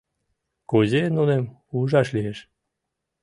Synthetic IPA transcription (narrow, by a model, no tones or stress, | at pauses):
kozenunem | uʒɑʃlieʃ